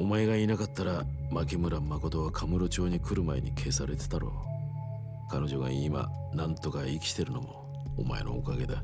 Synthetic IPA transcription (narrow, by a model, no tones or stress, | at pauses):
o̞mae̞ɡainakat̪ːaɾa | makimɯ̟ɾamako̞t̪o̞βakʰamɯ̟ɾo̞t͡ɕo̞ːɲ̟ikɯ̟ɾɯ̟mae̞̰ɲḭkʰe̞ːsaɾe̞t̪e̥t̪aɾo̞̰ | kano̞ʑo̞ɡa̰ima̰nãnt̪o̞kaikʲi̥t̪e̞ɾɯ̟nomo̞̰ː | ma̰e̞̰no̞̰ːkaɡe̞d̪a